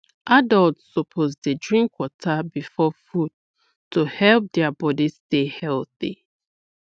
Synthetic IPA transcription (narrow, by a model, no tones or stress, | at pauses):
ʔadaltsːɔpʰozdedɹĩŋkwɔtʰabifɔfud̚ | tuhɛlp̚dɛabɔdistehɛlθḭ